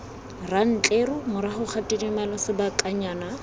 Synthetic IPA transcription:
ran̩t͡ɬʼeɾʊmʊɾaχʊk͡xʰatʼidimalasɪbakʼaɲaːna

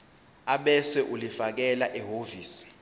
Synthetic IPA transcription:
aɓɛswɛʔulifak̬ɛlaʔɛɦoviːsi̥

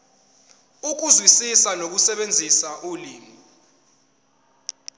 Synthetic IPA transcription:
uk̬uzwisisanok̬usɛɓend͡zʱisaʔuliːm | i

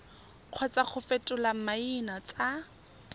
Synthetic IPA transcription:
q͡χʰwɛt͡sʼaχʊfetʼʊlam̩mainat͡sʼa

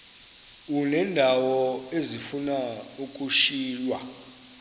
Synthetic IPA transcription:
unɛndʱawɔezifunauk̬ʼuʃiːlwa

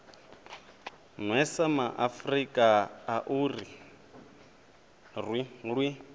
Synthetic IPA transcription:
nwɛsamaʔafrikʼaaʔuri | rwiɺwi

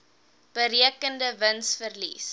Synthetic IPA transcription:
b̥əɾiəkəndəvənsfərlḭs

